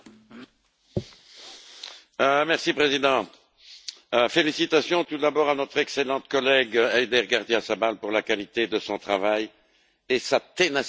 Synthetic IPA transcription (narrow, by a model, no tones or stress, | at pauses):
mɛʁsipχezid̪ɑ̃ | felisit̪asjɔ̃t̪ud̪abɔʁanɔt̪χɛkselɑ̃t̪kɔlɛɡɛjd̪ɛʁɡaʁd̪jiasabalpuʁlakalit̪ed̪əsɔ̃t̪χavaj | esat̪ena